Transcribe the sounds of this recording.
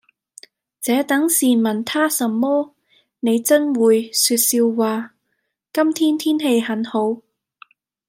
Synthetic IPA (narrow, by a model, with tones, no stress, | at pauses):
t͡sɛː˨˥t̪ɐ˨˥ŋsiː˨˩mɐ˨nt̪ʰaː˥sɐ˨˧mːɔː˥ | ne˨˧jt͡sɐ˥nwuː˨˧jsyː˧t̚siː˧wːaː˨ | kɐ˥mt̪ʰiː˥nt̪ʰiː˥nhe˧jhɐ˨˥nho˨˥w